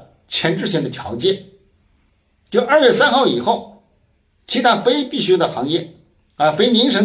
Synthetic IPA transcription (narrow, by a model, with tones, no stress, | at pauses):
t͡ɕʰjɛ˧˥nʈ͡ʂɻ̩˥˩ɕ̬ʰɛ˧˥˩nd̪ə˩t̪ʰjɑ˧˥ʊt͡ɕjɛ˥˩n | t͡ɕo˥˩ʊɐ˞˥˧ɥɛ˥˩sa˥nxɑ˥˩ʊi˨˩xo˥˩ʊ | t͡ɕʰi˧˥t̪ʰa˥fe˥ɪpi˥˩ɕy˥˩d̪ə˨˩xɑ˧˥ŋjɛ˥˩ | ə˧˩fe˥ɪmi˧˥ŋʂ̬ɤ˧˥ŋ